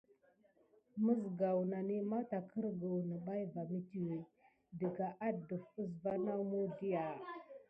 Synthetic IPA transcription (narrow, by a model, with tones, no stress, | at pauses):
mə˦zɡa˨wna˨ni˦ma˦ta˨kʰə˦ɾɡə˨wnə˨ɓa˦jva˨mi˦ti˨we˨ | də˨ɡa˨ʔa˦də˨fə˦sva˦na˦mu˦di˦ja˨